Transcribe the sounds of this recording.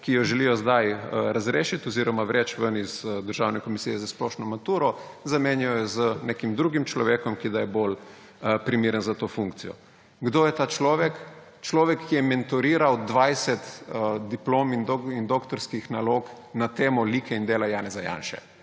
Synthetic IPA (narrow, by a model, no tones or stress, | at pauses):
kijɔʒɛlijɔzd̪ajəɾazɾeːʃit̪ɔziːɾɔmaʋɾɛt͡ʃʋənizd̪əɾʒawnɛkɔmisijɛzasplɔːʃnɔmat̪uːɾɔzameːnjɔjɔzənekimd̪ɾuːɡimt͡ʃlɔʋeːkɔmkid̪ajɛbol | pɾimiːɾənzat̪oːfuŋk̚t̪sijɔ̰ | ɡd̪oːjɛt̪aːt͡ʃlɔːʋɛk | t͡ʃlɔːʋɛkːijɛmɛnt̪ɔɾiːɾawd̪ʋajsɛt̪d̪iploːmind̪oind̪okt̪ɔɾskixnaloːk | nat̪eːmɔliːkʰɛind̪eːlajaːnɛzaja̰ːnʃɛ̰